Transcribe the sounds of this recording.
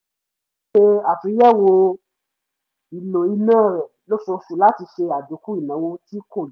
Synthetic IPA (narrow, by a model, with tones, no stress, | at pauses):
ʃe˦˧a˨fi˨˦jɛ˦˨wo˧ | i˨lo˨i˧nãː˦˨ɾɛ˨ | lo˦so˧su˨la˦ti˧ʃe˧a˨do˨˦ku˦i˦˨nã˨˦wo˧ti˦ko˦˨l